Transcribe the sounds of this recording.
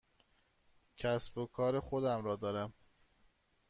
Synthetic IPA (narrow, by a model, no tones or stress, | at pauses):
cʰæsbokʰɒːɾexod̪æmɾɒːd̪ɒːɾæm